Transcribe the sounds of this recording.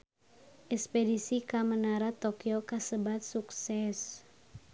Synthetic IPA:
ʔɛkspedisikamənaɾat̪okiokasəbat̪̚suksɛs

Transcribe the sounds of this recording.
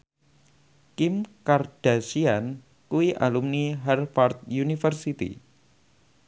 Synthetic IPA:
kimkard̥asian | kuiʔa̰lumniɦarfart̪̚junifərsit̪ḭ

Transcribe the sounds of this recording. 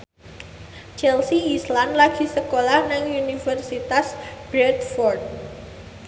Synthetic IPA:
t͡ʃɛlsiːslanlaɡ̥i̤səkolahnaŋunifɛrsit̪asb̥ɾɛt̪fɔrd̪̚

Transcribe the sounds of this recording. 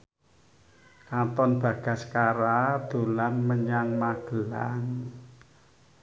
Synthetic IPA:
kat̪ɔnb̥ä̤ɡ̥a̤skaɾad̪̥o̤lanməɲaŋmaɡ̥ə̤laŋ

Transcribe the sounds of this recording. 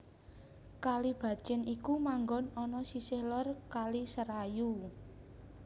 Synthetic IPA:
kalib̥a̤̥t͡ʃɪnikumaŋɡɔnɔnɔsisɪhlɔrkalisəɾaju

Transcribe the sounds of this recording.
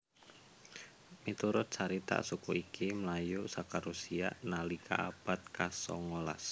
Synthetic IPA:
mit̪uɾʊt̪̚t͡ʃaɾit̪a̰ʔsukuikiməlajuʔsakaɾusia̰ʔnalikʰa̰ʔab̥at̪̚kasɔ̰ŋola̰s

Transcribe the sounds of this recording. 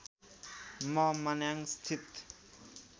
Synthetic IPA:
mɔmanaŋst̪ʰit̪

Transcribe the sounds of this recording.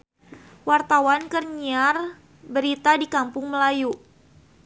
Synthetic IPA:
wart̪awankərɲiar | bəɾit̪adikampʊŋməlaju

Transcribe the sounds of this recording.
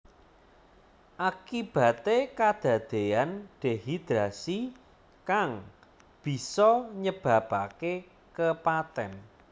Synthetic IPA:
ʔakib̥ä̤t̪ekad̪̥ä̤d̪̥e̤anɖ̥e̤ɦid̪̥ɾasi | kaŋ | b̥i̤sɔɲəb̥a̤b̥ake | kəpat̪ɛn

